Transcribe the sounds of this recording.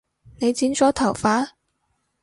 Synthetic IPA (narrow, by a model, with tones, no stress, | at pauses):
ne˨˧jt͡siː˨˥nsɔː˨˥t̪ʰɐ˨˩wfaː˨˥